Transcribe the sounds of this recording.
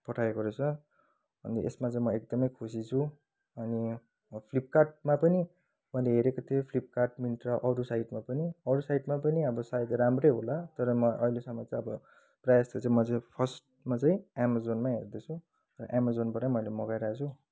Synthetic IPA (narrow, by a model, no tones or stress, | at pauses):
pʌʈʰaekoɾet͡sʰʌ | bʌ̰nd̪ḭʔḛsmat͡saĩmʌek̚d̪ʌmʌjkʰusit͡sʰu | ʌni | pʰlip̚karʈ̚mapʌni | mʌjleɦeɾekot̪ʰiopʰlip̚karʈminʈrʌʔʌɾusajʈmapʌniʌɾusajʈmapʌniʌbʌsajd̪ɾamrʌjɦolat̪ʌɾʌmʌʔʌ̰ilesʌmːʌt͡saj̃ʌbʌ | prajast̪et͡saĩmʌt͡saĩpʰʌsʈ | mat͡saĩamazonmaɦerd̪et͡sʰũ | ɾʌ̰ʔamazonbʌɾajmʌjlemʌɡajɾaat͡sʰu